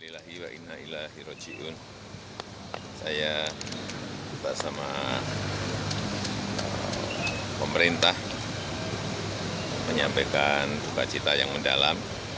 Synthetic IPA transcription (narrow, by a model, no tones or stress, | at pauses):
lilaɦiwaʔinːailaɦiɾɔt͡ʃiʔʊn | saja | baʔsama | ə̰ | pəməɾint̪ah | məɲampekansuka̰t͡ʃit̪ajaŋmənda̰lam